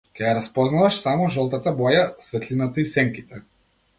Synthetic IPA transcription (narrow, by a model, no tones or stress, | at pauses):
kʲɛjaɾaspɔznavaʃsamɔʒɔlˠt̪at̪abɔjasvɛt̪linat̪aisɛŋkit̪ɛ